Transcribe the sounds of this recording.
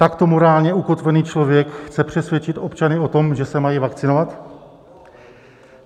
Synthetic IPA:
t̪akt̪o̞mo̞ɾaːlɲɛuko̞t̪vɛniːt͡ʃlo̞vjɛkxt͡sɛpr̝̥ɛsvjɛt͡ʃɪt̪o̞pt͡ʃanɪo̞t̪o̞mʒɛsɛmajivakt͡sɪnovat̪

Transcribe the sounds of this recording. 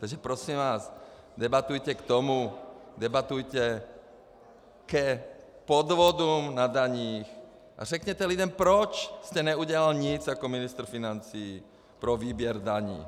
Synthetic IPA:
t̪aɡʒɛpɾɔsiːmʋaːz | d̪ɛbat̪ujcɛkt̪ɔmud̪ɛbat̪ujcɛ | kɛ | pɔd̪ʋɔd̪umnad̪aɲiːx | ʔa̰zɛkɲɛt̪ɛlid̪ɛnpɾɔt͡ʃscɛɲɛuɟɛlalɲid͡zakɔminist̪ɾ̩finant͡siː | pɾɔʋiːbɪɛɾd̪aɲḭː

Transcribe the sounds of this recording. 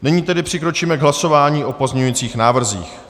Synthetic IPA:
nɛɲiːt̪ɛdɪpr̥ɪkɾo̞t͡ʃiːmɛɡɦlaso̞vaːɲiːʔo̞po̞zɲɛɲujiːt͡siːxnaːvr̩zḭːx

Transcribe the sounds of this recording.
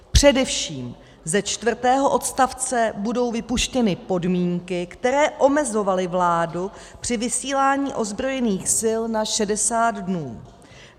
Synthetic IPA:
pr̝̥ɛdɛfʃiːm | zɛt͡ʃt̪vr̩t̪ɛːɦo̞ʔo̞t̪st̪aft͡sɛbudo̞wvɪpuʃcɛnɪpo̞dmiːŋkɪkt̪ɛɾɛːʔo̞mɛzo̞valɪvlaːdu | pr̥ɪvɪsiːlaːɲiːʔo̞zbɾo̞jɛniːxsɪlnaʃɛdɛsaːd̪dnuː

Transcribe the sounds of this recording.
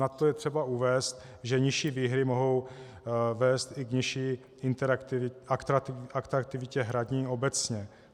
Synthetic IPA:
nat̪ojɛt̪r̝̥ɛbauvɛːst̪̚ | ʒɛɲɪʃiːviːɦɾɪmo̞ɦo̞w | vɛːst̪ɪkɲɪʃiː | ɪnt̪ɛɾt̪akt̪aakt̪ɾak̚t̪ɪvɪcɛɦɾaɟɲiːo̞bɛt͡sɲɛ

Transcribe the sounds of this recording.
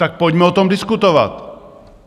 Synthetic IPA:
t̪ak̚poɟmɛot̪omdɪskut̪ova̰t̪

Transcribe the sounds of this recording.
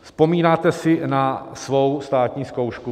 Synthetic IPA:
spo̞miːnaːt̪ɛsɪnasvo̞wst̪aːt̪ɲiːsko̞wʃku

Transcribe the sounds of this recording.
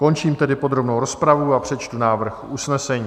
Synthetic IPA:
ko̞nt͡ʃiːmt̪ɛdɪpo̞d̪ɾo̞bnowɾo̞spɾavuapr̝̥ɛt͡ʃt̪unaːvr̩xʔusnɛsɛɲiː

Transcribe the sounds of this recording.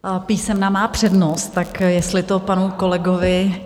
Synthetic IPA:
piːsɛmnamaːpr̝̥ɛdnost̪t̪akjɛst̪lɪt̪o̞panuko̞lɛɡovɪ

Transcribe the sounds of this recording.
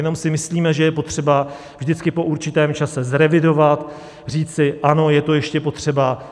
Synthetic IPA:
jɛno̞msɪmɪsliːmɛʒɛjɛpo̞t̪r̝̥ɛba | vʒdɪt͡skɪpo̞ʔuɾt͡ʃɪt̪ɛːmt͡ʃasɛzɾɛvɪdo̞vat̪ | r̝iːt͡sɪʔano̞jɛt̪o̞jɛʃcɛpo̞t̪r̝̥ɛba

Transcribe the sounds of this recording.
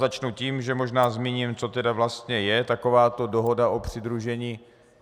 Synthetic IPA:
at͡ʃnuciːmʒɛmoʒnaːzmiɲiːmt͡so̞t̪ɛdavlast̪ɲɛjɛt̪ako̞vaːt̪o̞doɦo̞daʔo̞pr̥ɪd̪ɾuʒɛɲiː

